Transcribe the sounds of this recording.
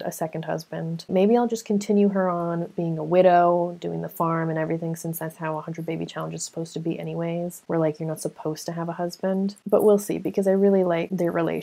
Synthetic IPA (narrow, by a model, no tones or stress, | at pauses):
ɨ̰sɛkɨ̃n̩d̚hʌ̰zbɨ̃nd̥meɪbiaɪlˠd͡ʒʌskʰɨ̃n̩tʰɪ̃njʉə˞ə̃nb̥iɪ̃ŋəwɪɾoʊdʉɪ̰̃ŋðəfɑɹmɨ̃ñɛvɹiθɪ̃ŋsɪ̃nsðætshaʊəhʌ̃ndɹɨd̚beɪbit͡ʃʰælˠə̃n̩d͡ʒɨz̥sə̥pʰoʊz̥tʰɨbiʔɛ̰ñiweɪz̥wəɹlaɪkjə˞nətsəpʰoʊz̥tʰɨːvəhʌzbɨ̃ndb̥ʌʔwilˠsḭbɨkʰʌzaɪɹɪlˠilaɪk̚ðə˞ɹilḛɪ